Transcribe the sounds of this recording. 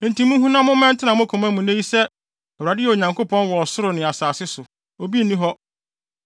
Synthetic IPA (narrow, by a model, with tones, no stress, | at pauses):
n̩˨tĩ˨mũ˦ɦũ˦nã˦mʊ̃˦mɛ̃˦n˦tʰɪ˦nã˨mʊ̃˦kʰʊ̃˨mæ̃˦mũ˨nẽ˦ji˦sɛ˦ | ɛ˨wa˨dɪ˦ɛ˨o˨ɲã˨ŋkʰo˦pʰɔ̃˦n˦wɔ˨sʊ˦ɾʊ˨nɪ̃˨a˨saː˨sɪ˦sʊ˨ | o˨bi˦˨nĩ˦ɦɔ˦